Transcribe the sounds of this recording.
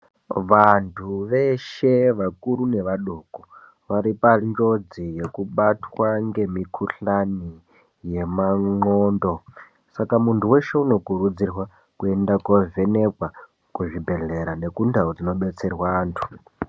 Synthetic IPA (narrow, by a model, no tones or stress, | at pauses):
ʋantʰuʋeʃeʋakuɾuneʋaɗoko | ʋaɾipand͡ʒod͡zije̞kuɓatʰwaŋɡe̞mikʰuɬani | jemaŋŋ͡ǃoːndo̞ | sakamuntʰuweʃe̞uno̞kuɾud͡zirwa | kuendakovenekwa | kuʐibʱe̞ɮeɾane̞kundʱaod͡zino̞ɓet͡serwaːntʰu̥